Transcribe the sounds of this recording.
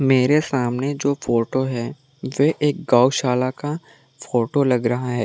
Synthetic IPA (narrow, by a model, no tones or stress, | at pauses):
meːɾesaːmned͡ʒoːfʰoːʈoɦɛː | ʋeʔeːk̚ɡaːʊʃaːlaka | foːʈolɐɡɾɐɦaɦɛː